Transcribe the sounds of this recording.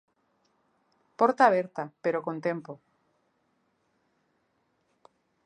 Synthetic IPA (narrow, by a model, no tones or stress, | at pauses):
poɾt̪aːβ̞eɾt̪apeɾokont̪empo